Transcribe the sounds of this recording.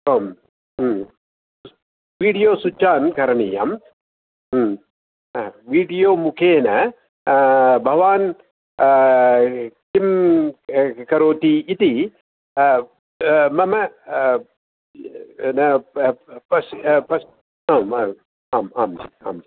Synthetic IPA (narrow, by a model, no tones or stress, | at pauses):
ɐːmː | ʋiːɽijoːsut͡ʃːaːnkɐɾɐnija̰mː | ʋiːɖijoːmukʰeːnɐ | bʱɐʋaːn | kim | kɐɾoːt̪iit̪i | mɐmɐ | nɐ | pɐspɐs | aːma | aːmaːmd͡ʒia̰ːmd͡ʒi